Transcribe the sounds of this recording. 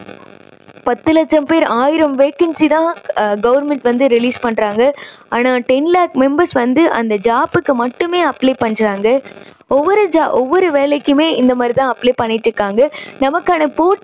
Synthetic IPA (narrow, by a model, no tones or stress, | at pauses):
pɐt̪ːɯlɐt͡ʃːɐmpeːɾaːjɪɾɐmʋeːkɐnsit̪ãːɡɐʋɐɾmɛɳʈʋɐnd̪ɯɾɪliːspɐɳːɾaːŋɡɐaːnaːʈɐɪnlaːk̚mɛmbɐɾsʋɐnd̪ɯʔɐ̰nd̪ɐd͡ʒaːpɯkːɯmɐʈːɯmeːɐpleːpɐɳɾaːŋɡɐ | ɔʋːɔɾɐd͡ʒaːʔɔʋːɔɾɯʋeːlɛkːɯmeːɪnd̪ɐmaːd̪ɾit̪ãːɐplepɐɳːɪʈːɯkːaːŋɡɐnɐmɐkːaːnɐpoːʈ